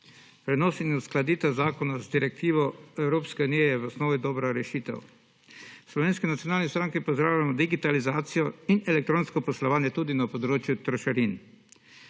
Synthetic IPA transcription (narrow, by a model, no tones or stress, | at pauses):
pɾɛnɔːsinusklad̪iːt̪ɛzaːkɔnazd̪iɾɛk̚t̪iːʋɔɛwɾoːpskɛuniːjɛjɛwɔsnoːʋid̪ɔːbɾaɾɛʃiːt̪ɛ̰w | slɔʋeːnskinat̪ijɔnaːlnist̪ɾaŋkipɔzd̪ɾaːwlʲamɔd̪iɡit̪alizaːt̪sijɔinɛlɛk̚t̪ɾoːnskɔpɔslɔʋaːnjɛt̪uːd̪inapɔd̪ɾoːt͡ʃjut̪ɾɔʃaɾin